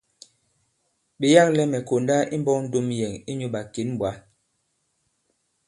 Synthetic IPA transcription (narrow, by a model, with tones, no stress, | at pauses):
ɓi˨ja˦klɛ˦mɛ˨ko˨nda˦ʔi˦m̩˦bɔ˦kn̩˦do˦mjɛ˨ŋi˦ɲu˦ɓa˨ki˨˦n˦bwa˨˦